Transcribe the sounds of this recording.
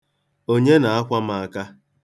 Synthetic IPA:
o˦ɲe˦na˨a˦kʷa˦ma˨a˨ka˦

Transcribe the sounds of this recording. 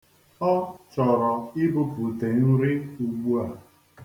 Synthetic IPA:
ɔ˦t͡ʃɔ˨ɾɔ˨ɪ˦bʊ˦pu˨te˨n̩˦ɾɪ˦u˨ɡ͡bu˦a˨

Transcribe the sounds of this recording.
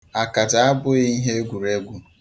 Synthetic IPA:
a˨ka˨da˨a˦bʊ˦i˦ɦe˦ɡʷu˨ɾe˦ɡʷu˦

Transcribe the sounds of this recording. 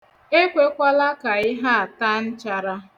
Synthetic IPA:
e˦kʷe˦kʷa˦la˦ka˨ɪ˦ɦa˦a˨ta˦n̩˦t͡ʃa˨ɾa˦

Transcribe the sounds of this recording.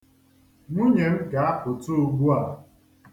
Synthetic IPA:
ŋʷu˦ɲe˨m̩˦ɡa˨a˦pʊ˨to˦o˨ɡ͡bu˦a˨

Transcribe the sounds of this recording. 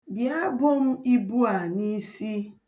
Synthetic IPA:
bja˦bʊ˦m̩˦i˦bu˦a˨ni˦si˦

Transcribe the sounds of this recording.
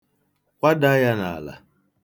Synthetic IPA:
kʷa˦da˦ja˦na˨a˨la̰˨

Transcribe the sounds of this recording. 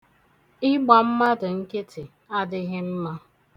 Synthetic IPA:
ɪ˦ɡ͡ba˨m̩˦ma˦dʊ˨ŋ̩˦ke˦tʰɪ˨ | a˦dɪ˦ɣɪ˦m̩˦ma˦

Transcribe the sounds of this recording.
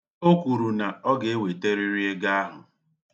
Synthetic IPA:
o˦kʷu˨ɾu˨na˨ɔ˦ɡe˨e˦we˨te˦ɾi˦ɾi˦e˦ɡa˦a˦ɦʊ̰˨

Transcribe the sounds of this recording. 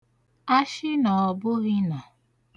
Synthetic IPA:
a˦ʃɪ˦nɔ˨ɔ˨bʊ˦ɣɪ˦na˨

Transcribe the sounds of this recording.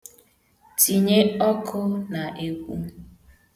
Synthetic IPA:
ti˨ɲe˦ɔ˦kʰʊ˦na˨ʔe˦kʷṵ˦

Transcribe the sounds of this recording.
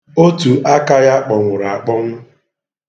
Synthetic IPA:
o˦tu˨ʔa˦ka˦ja˦k͡pɔ˨ŋʷʊ˨ɾa˨a˨k͡pɔ˦m̩˦

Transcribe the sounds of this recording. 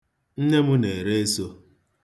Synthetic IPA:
n̩˦ɲe˦mʊ˦ne˨ɾe˦e˦so˦

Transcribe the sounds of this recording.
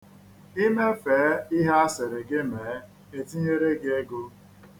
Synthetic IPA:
i˦me˦feː˨˦i˦ɦe˦a˦se˨ɾe˨ɡɪ˦meː˨˦ | e˨ti˦ɲe˦ɾe˦ɡe˦e˦ɡo˦

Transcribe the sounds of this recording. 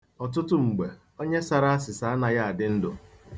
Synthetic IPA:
ɔ˨t̬ʊ˦tʊ˦ŋ͡m̩˨ɡ͡be˨ | o˦ɲe˦sa˨ɾa˦a˦s̬ɪ˨sa˨a˦na˨ja˦a˨dɪ˦n̩˦dʊ˨

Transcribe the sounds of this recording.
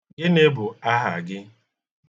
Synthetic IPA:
ɡɪ˦ne˦bʊ˨a˦ɦa̰˨ɡɪ˦

